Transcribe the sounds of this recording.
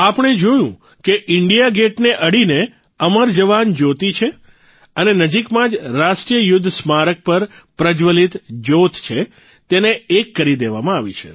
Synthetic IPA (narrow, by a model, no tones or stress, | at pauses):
apəɳ̃ed͡ʒojũ | keʔɪɳɖijaɡeʈneʔəɽine | əməɾd͡ʒəʋand͡ʒot̪it͡ʃʰe | ənenəd͡ʒikmãd͡ʒɾaʃʈɾijəjʊd̪ʱːsmaɾək̚pəɾ | pɾəd͡ʒʋəlit̪d͡ʒot̪ʰt͡ʃʰe | t̪eneːkːəɾid̪eʋamãaʋit͡ʃʰḛ